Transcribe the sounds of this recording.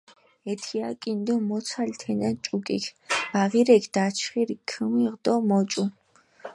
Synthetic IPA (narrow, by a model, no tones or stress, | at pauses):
ɛt̪ʰiakʼind̪ɔmɔsʰalt̪ʰɛnat͡ʃʼukʼḭkʰb̥aʁiɾɛkʰd̪̥at͡ʃʰχiɾikʰəmiʁd̪ɔmɔt͡ʃʼu